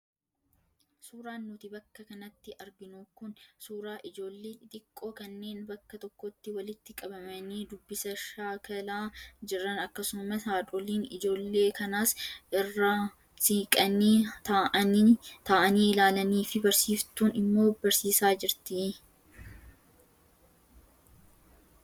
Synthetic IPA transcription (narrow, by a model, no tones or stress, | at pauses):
suːɾaːnːʊt̪ɪbɐkːɐkɐnɐt̪ːɪʔɐɾɡɪnuːkʊnsuːɾaːʔɪd͡ʒo̞ːlːeːɪt̪ʼɪkʼːo̞ːkɐnːe̞ːnbɐkːɐt̪ɔkːɔt̪ːɪwɐlɪt̪ːɪkʼɐbɐmɐniːd̪ʊbːɪsɐʃaːkɐlaːd͡ʒɪrːɐnɐkːɐsʊmɐsaːd̪ɔliːnɪd͡ʒo̞ːlːe̞ːkɐnaːsʔɪrːaː | siːkʼɐniːt̪aʔɐt̪aːʔɐniːlaːlɐniːfɪbɐɾsiːft̪uːnɪmːo̞ːbɐɾsiːsaːd͡ʒɪɾt̪ɪ